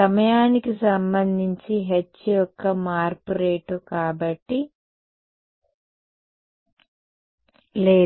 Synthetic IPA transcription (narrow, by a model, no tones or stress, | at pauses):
ɐmɐjaːnikisɐmbɐnd̪ʱiɲt͡ʃiɦet͡ʃːijɔkːɐmaːɾpuɾeːʈukaːbɐʈːi | leː